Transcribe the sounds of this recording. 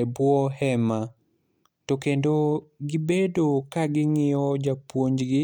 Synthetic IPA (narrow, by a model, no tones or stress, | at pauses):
bwɔhɛma | tokendoɡɪbedokaɡɪŋɪɔd͡ʒapwoɲd͡ʒɡɪ